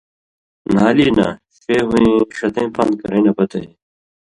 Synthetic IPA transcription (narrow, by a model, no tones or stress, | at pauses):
n̤aːliːna̰ː | feːɦũĩːɕɐt̪ẽːpɐnd̪̚kɐɾẽːnɐpɐt̪ɐ̰j